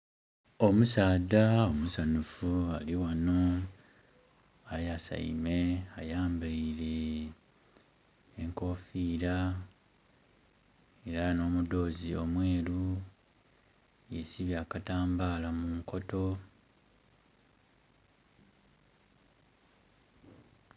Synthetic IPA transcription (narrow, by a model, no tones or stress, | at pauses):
o̞musaːdao̞musanufualiwano̞ | ajasa̰ḭme̞ajaːmbaiɾe | ŋko̞fiːɾa | e̞ɾano̞ːmudo̞ːzio̞mwe̞ːɾu | je̞siβjaːkataːmbaːlamuŋko̞to̞